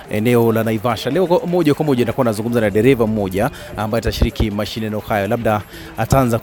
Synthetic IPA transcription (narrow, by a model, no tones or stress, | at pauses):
ɛ̰nɛɔlanaivaʃalɛɔmɔʄakwamɔʄaitakuanazuŋɡum̩zanaɗɛɾɛvam̩mɔʄaː | mbajɔtaʃiɾikʰimaʃinɛnɛɔhajɔlaɓ̚ɗa | ataanza